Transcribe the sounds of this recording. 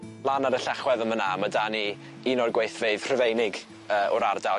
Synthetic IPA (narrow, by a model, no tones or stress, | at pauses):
lˠanaɾəɬɛχwɛðəmənamadani | inɔrɡweɨθveɨv̥r̥əvejnɪɡ | əːʔɔɾarda